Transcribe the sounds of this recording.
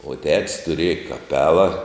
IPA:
oː tʲɛts tʊˈrʲiɛjɛ kɐˈpʲæːlˠɐ

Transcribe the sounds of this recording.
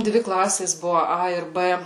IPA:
ˈdʲʋʲɪ ˈklˠɑːsʲeːs ˈbʊʋʊ ˈɐ ɪr ˈbɘ

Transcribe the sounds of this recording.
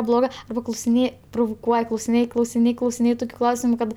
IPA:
ˈblˠoːɡɜ klˠɐʊsʲɪˈnʲeːj prʊʋʊˈkuɔj klˠɐʊsʲɪˈnʲeːj klˠɐʊsʲɪˈnʲeːj klˠɐʊsʲɪˈnʲeːj ˈtʊkʲʊ ˈklˠɐʊsʲɪmʊ ˈkɐt

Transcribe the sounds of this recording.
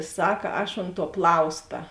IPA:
ˈsɐk ˈɐʃ oːnt tuɔ ˈplˠɐʊstɐ

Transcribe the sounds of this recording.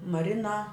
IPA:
mɐˈrʲɪnɐ

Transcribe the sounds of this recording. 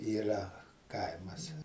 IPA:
iːˈrɐ ˈkɐɪmɐs

